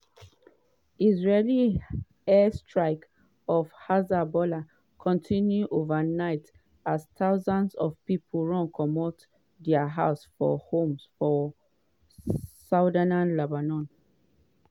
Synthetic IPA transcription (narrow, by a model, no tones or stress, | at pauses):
izɹeli | ɛstʰɹaɪk | ɔvhazabɔla | kʰɔ̃ntʰĩnjuʔovənaɪt | astaʊzãnsɔvpipʰl̩ˠɹɔ̃ŋkʰɔmɔt | dɛəɦaʊsfɔ̰hõmsfɔ | saʊdanãnlebanɔ̃n